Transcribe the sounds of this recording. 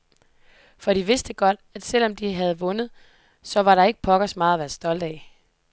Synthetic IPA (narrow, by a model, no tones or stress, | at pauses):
fɒ̽ɾ̥iʋe̝sd̥əɡ̥ɒ̽d̥æd̥sel̰ɒ̽md̥iɦæð̞̩ˠʋɔ̽nð̞̩ˠ | sɒ̽ʋɑ̈ɾɑ̈e̝ɡ̥ə̥pʰɒ̽ɡ̥ɐsmɑ̈ːð̩ˠæʋæːɐsd̥ɒ̽ld̥ɛɪ